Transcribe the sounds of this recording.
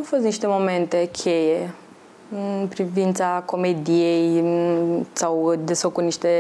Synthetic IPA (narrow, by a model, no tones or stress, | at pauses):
awfo̞s̬t̪niʃt̪e̞mo̞me̞nt̪e̞kʲʰe̞je̞ | ɨnpɾivint̪sako̞me̞d̪ijej | sawd̪e̞sfəkut̪niʃt̪e̞